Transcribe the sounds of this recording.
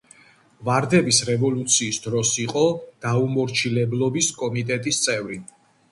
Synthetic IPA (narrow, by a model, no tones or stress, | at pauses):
vaɾd̪ɛbisɾɛvɔlut̪sʰiːsd̪ɾɔsiqʼɔd̪̥aumɔɾt͡ʃʰilɛblˠɔbiskʼɔmit̪ʼɛt̪ʼist̪sʼɛvɾi